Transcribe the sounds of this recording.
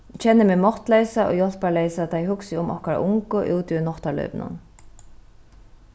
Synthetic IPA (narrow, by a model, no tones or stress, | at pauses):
cʰɛnːɪmɛːmɔht̪lejsaʔɔ̰ɣjɔl̥palejsat̪ʰajɦʊksɪʊmʔɔ̰hkaɾa̰ʔʊŋkʊʔṵːt̪ɪnɔht̪alœ̰ɥpnʊ̰n